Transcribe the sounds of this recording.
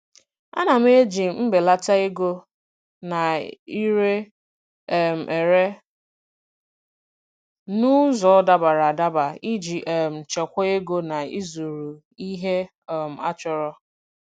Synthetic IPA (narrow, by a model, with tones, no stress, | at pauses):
a̰˦na˨m̩˦e˦d͡ʒi˨˦m̩˦be˨la˦ta˦e˦ɡo˦ | na˨i˦ɾe˦˨ | m̩˨ʔe˨ɾe˦ | nʊ˦zɔ˨ɔ˦da˦ba˨ɾa˨a˨da˦ba˨i˦d͡ʒi˨ʔɛ˨m̩˨t͡ʃe˨kʷɔ˦e˦ɡo˦na˨ḭ˦zu˨ɾu˨ | i˦ɦe˦˨ | m̩˨a˦t͡ʃɔ˨ɾɔ˦